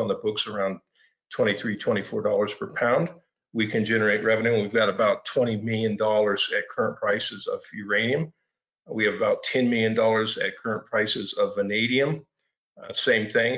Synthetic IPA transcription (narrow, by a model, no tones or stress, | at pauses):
n̩ðəbʊksə˞ãʊ̃n | tʰw̥ɛ̃ɾ̃iθɹitʰw̥ɛ̃ɾ̃ifɔɹdɔlˠə˞z̥pʰə˞pʰãʊ̃nd̚ | wikʰɨ̃nd͡ʒɛnə˞eɪʔ̚ɹɛvɨnʉɨ̃nwivɡɑɾəbaʊtʰw̥ɛ̃ɾ̃imɪlˠjɨ̃ndɔlˠə˞zɨt̚kʰɜ˞ə̃npʰɹ̥aɪsɨzʌ̰v̥jə˞ẽɪ̃ñiɨ̃m | wiɨvəbaʊtʰɛ̃nmɪlˠjɨ̃ndɔlˠə˞zɨ̰t̚kʰɜ˞ə̃npʰɹ̥aɪsɨzʌvɨneɪɾiɨ̃m | sẽɪ̃mθɪ̃ŋ